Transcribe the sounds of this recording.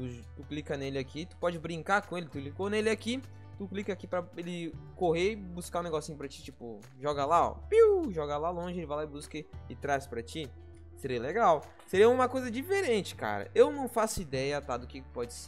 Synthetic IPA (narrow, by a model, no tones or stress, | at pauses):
t̪ut̪uklikɐnelɪakit̪u̥pɔd͡ʒɪbɾĩŋkaɾkõelɪt̪uklikonelɪaki | t̪uklikɐakipɾɐelɪkoɦeɪbuskaũneɡɔsĩɲʊpɾɐt͡ʃi̥t͡ʃipʊ | ʒɔɡɐlaɔ̰piwʒɔɡɐlalõʒɪelɪvajlaɪbuskɐɪt̪ɾaspɾɐt͡ʃi | seɾiɐleɡaw | seɾiɐũmɐkojzɐd͡ʒifeɾẽt͡ʃɪ̥ka̰ɾɐ̰ʔewnɐ̃w̃fasʊid̪ɛjɐt̪ad̪ʊkɪkpɔd͡ʒɪse̥ɾ